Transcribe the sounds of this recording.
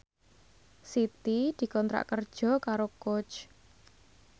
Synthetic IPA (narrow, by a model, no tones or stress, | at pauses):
sit̪id̪̥i̤kɔnt̪ɾa̰ʔkərd̥ʒ̥ɔ̤kaɾokot͡ʃ